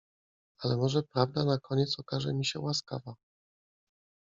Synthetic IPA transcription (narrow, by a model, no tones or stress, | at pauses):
alɛmɔʐɛpɾavd̪anakɔɲɛt̪sɔkaʐɛ̰mʲiɕɛwaska̰va